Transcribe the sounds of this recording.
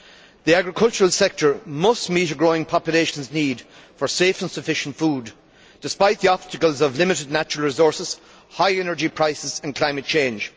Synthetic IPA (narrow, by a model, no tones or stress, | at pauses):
ðiaɡɹɪkʰʌlˠt͡ʃəɹəlˠsɛk̚tʰə˞mʌstmiɾəɡɹoːɪ̃ŋpʰɑpjʊleʃə̃nzniːdfə˞seːfə̃nsəfɪʃə̃ntfuːd | d̥ɪspaɪt̪̚ðiɑb̥stəkəlˠzʌvlɪmɪɾɪdⁿnat͡ʃəɹəlˠɹɪzɔɹsɪz̥ | haɪɛnə˞d͡ʒipʰɹ̥aɪsɪzə̃nkʰl̥ãɪ̃mət̚t͡ʃʰẽɪ̃nd͡ʒ̥